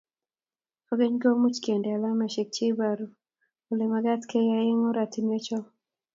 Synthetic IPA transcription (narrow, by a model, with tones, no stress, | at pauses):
ɔ˨ɡe˦ɲɡo˦mu˦t͡ʃke˨nda˨la˦mɛ˨ʃe˨k̚t͡ʃe˦baɾu˨ | o˨le˨ma˨ɡa˦tke˦ja˦e˦ŋɔ˦ɾa˨ti˨mie˦t͡ʃɔ˦